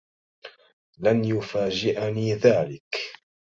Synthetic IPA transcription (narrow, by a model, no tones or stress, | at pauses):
lanjʊfaːd͡ʒɪʔaniːðaːlɪk